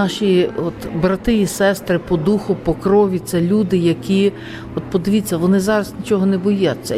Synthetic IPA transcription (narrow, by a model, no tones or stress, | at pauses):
ɑʃʲiɔt̪bɾɐt̪ɪisɛst̪ɾɪpɔd̪uxʊpɔkɾɔʋʲit̪sɛlʲud̪ɪjɐkʲi | ɔt̪pɔd̪ɪʋʲit͡sʲːɐʋɔnɪzɑɾɐznʲit͡ʃɔɦɔnɛbɔjat͡sʲːɐ̰